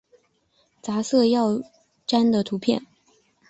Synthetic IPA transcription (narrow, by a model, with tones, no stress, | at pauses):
t͡sa˧˥sɤ˥˧jɑ˥˧ʊ | ʈ͡ʂa˥nd̪ə˨t̪ʰu˧˥pʰjɛ̰˥˩n